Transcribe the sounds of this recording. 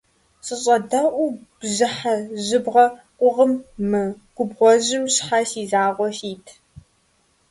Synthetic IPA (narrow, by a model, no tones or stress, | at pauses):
sʼɨɕʼɐdɐʔʷubʑɨħaʑɨbʁɐqʷʼʊʁəmːɨɡ̥ʷʊbʁʷɔʑɪmɕħasiːzaːʁʷɔfiːtʰ